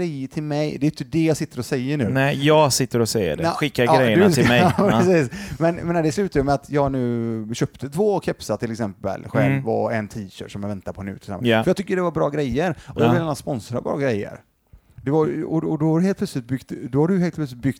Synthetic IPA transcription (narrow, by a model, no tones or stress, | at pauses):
ɾɛjːəʈʰɪlmɛjd̪ɛjʏnt̪əd̪ɛjɑːɡsɪt̪ːəɾɔsɛjːəɳʉ̟ːnɛjɑːɡsɪt̪ːəɾɔsɛjə̰ɖɛɧɪkːaɾɡɾɛjjəɪɛpɾɛsiːsmɛnjmeːnad̪ɛslʉ̟ːt̪ajəmɛat̪jɑːɡnʉ̟ːɕœːpt̪ʰət̪ʰvoːkʰɛpsat̪ʰɪlːɛksɛmpə̰lɧɛlvɔ̰ɛnt̪ʰiːɕœ̰ːʈːsɔmjavɛnt̪aɾpʰɔhɛnʉ̰t̪ʰɪlsɛ̰mp̪ːfəjɑt̪ʰʏkːəɖɛvaɾbɾɑ̰ːɡɾɛjːəɾɔjɑɡvɪlːanaspɔnsɾa̰bɾɑ̰ːɡɾɛjːə̰ɾ | d̪ɛvaɔɔd̪ɔhadʉheːlpʰlœslɪt̪̚bʏɡt̪d̪ɔhaɖɵɦeːlt̪pʰlœs̬lɪt̪bʏɡ̥t̪